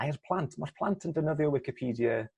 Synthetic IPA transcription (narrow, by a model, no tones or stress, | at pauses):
aɛrpʰlˠantʰmarpʰlˠantʰəndənəðjɔwɪkɪpʰiːdiə